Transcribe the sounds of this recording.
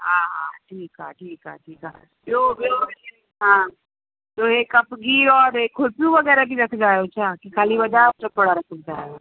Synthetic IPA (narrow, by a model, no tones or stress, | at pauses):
ɦaːɦã̰ʈʰiːkɦa̰ʈʰiːkɦa̰ːʈʰiːkɦa̰ | bobeo | ɦã | t̪oeːkɐpɡiːɾɔːɾeːkʰːolpijũʋəɡɛːɾabiɾɐkʰd͡ʒaːjot͡ʃʰakikʰaːliʋɐd̪ab̚t͡ʃəpɐɽaɾɐkʰok̚d͡ʒaːeo